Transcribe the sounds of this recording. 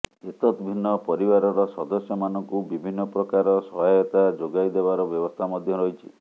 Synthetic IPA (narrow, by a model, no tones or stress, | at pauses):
et̪ɔt̪bʱinːɔpɔɾibaɾɔɾɔsɔd̪ɔsjɔmanɔŋkubibʱinːɔpɾɔkaɾɔsɔɦajɔt̪ad͡ʒoɡajd̪ebaɾɔbjɔbɔst̪ʰamɔd̪ʱjɔɾɔɦit͡ʃʰi̥̰